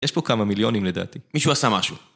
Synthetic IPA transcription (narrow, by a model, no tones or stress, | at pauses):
jeʃpokamamiljo̞nimled̪a̰ːt̪imiʃuasamaʃu